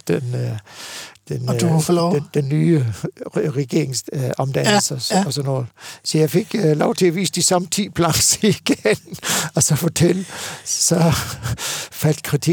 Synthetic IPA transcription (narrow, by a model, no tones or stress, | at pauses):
d̥en | d̥enduflɔʊed̥enːyː | ʁɛɡ̥e̝ɐ̰eŋsɒ̽md̥ænl̩səɒ̽sɒnːɔːð̩ˠsɒ̽jɑ̈ɪfe̝ɡ̥lɒʊt͡sʰe̝æɒʋḭːsd̥isɑmt͡sʰḭːb̥ʰlɑ̈ŋsiɡ̥nɒ̽sɒ̽fot͡sʰelsɒ | fæl̰d̥kʰʁit͡sʰi